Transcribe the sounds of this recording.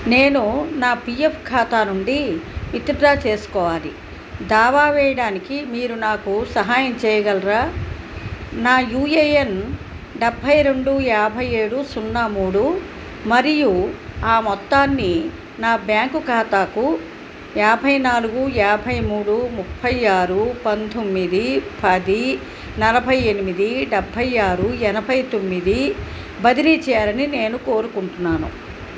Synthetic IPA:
ne̞ːnunaːpijepʰkʰaːt̪aːnuɳɖiʋit̪iɾɾaːt͡ʃe̞ːsu̥kɔːʋaːlḭ | d̪aːʋaːʋɛːjɐɽaːnikimiːɾunaːkusɐɦaːjɐmt͡ʃɛːjɐɡɐlɾaː | naːjuːeːjen | ɖebʱːɐjɾe̞ɳɖuɛaːbʱɐje̞ːɽusunːaːmuːɽu | mɐɾijuaːmɔt̪ːaːnːi | naːbjaːŋkukaːt̪aːku | ɛːbʱɐjnaːluɡuɛːbʱɐjmuːɽumupʰːɐjaːɾupɐnt̪omːid̪ipɐd̪i | nɐlɐbʱɐje̞nimid̪iɖɛbʱːɐjaːɾuɛnɐbʱɐjt̪o̞mːid̪i | bɐd̪iɾit͡ʃɛjaːɾɐnine̞ːnukoːɾukuɳʈunːaːnṵ

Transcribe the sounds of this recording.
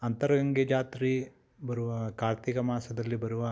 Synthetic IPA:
ɐnt̪ɐɾɐɡɐŋɡed͡ʒaːt̪ɾi | bɐɾuʋɐkaːɾt̪ikɐmaːsɐd̪ɐlːibɐɾuʋɐ

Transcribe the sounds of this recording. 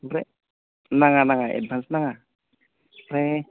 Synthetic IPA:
rɛ | naŋanaŋaʔɛ̰bansnaŋa | rɛ

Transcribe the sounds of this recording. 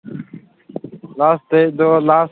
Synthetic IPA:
laːst̪eːd̪oːlaːs

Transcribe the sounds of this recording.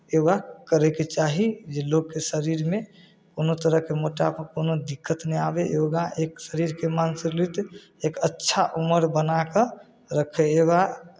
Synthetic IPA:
ewakəɾɛket͡ʃaɦid͡ʒeloɡ̚kesəɾiɾme | koːnot̪əɾəɦkemoʈapkonod̪ikʰːət̪neabejoɡaʔeksəɾiɾkemansiɾlit̪ | ekətːʃʰaʔuməɾbənakə | ɾəkʰeewa

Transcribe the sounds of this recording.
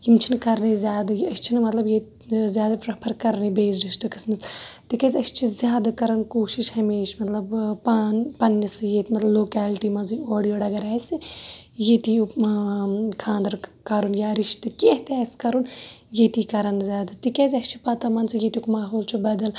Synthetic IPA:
jimt͡ʃʰinkɐɾnezʲjaːd̪ɐjɐst͡ʃʰinmɐt̪lɐbje | zjaːd̪ɐpɾɐpʰɐɾkɐɾnibeːzɾiʃt̪ɨkɐsmɐzt̪ikezʲɐst͡ʃʰizʲjaːd̪akɐɾɐnkoːʃiʃhɐmeːʃmɐt̪lɐbpaːnpɐnːjɐsɨjeːt̪imɐt̪lɐbloːkɛːlʈimɐnzioːɽijoːɖɐɡɐɾaːsɨjet̪i | kʰãːnd̪ɾkɐɾunjaːɾiʃt̪ɨkiɦt̪aːskɐɾunjeːt̪ikɐɾɐnzʲjaːd̪ɐt̪ikeːzʲɐst͡ʃʰipɐt̪ɐmɐnsɨjet̪ʲukmaːɦoːlt͡ʃʰubɐd̪ɐl

